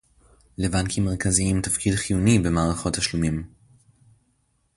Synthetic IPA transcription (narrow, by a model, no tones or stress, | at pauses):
levankʰimːeʁkaziimtafkidχijunibe̞maːʁaχo̞taʃlumim